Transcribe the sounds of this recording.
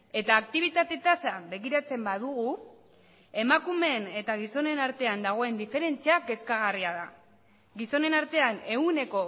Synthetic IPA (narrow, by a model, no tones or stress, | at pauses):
e̞t̪aːk̚t̪iβ̞it̪at̪e̞t̪asaβe̞ɣ̞iɾat͡se̞mbaðuɣ̞u | e̞makume̞ne̞t̪aɣ̞iso̞ne̞naɾt̪e̞and̪aɣ̞o̞e̞nd̪ife̞ɾe̞nt͡siake̞skaɣ̞ariaða | ɡiso̞ne̞naɾt̪e̞ane̞ɣune̞ko̞